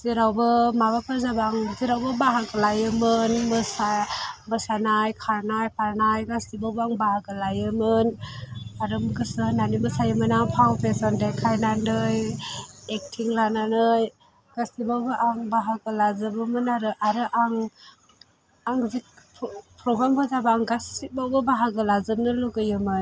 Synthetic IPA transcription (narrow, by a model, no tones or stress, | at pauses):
z̥iɾawbɯmaβapʰɯɾzabaŋziɾawbɯbaɦaklajɯmɯnmɯsabɯsanajkʰaɾnajpʰaɾnajɡasibawbaŋbahakɯlajɯmɯnaɾɯmɡɯsɯnanimɯsajɯmɯnaŋpʰawpʰesandajkʰajnanɯj | ek̚tʰiŋlananɯj | ɡ̥asibawbɯʔaŋbaɦaɡɯlazɯbɯmɯnaɾɯʔaɾɯʔaŋ | aŋzik̚pʰpʰɾɔɡɾambazabaŋɡasibawbɯbaɦaɡɯlazɯmnɯluɡɯjɯmɯn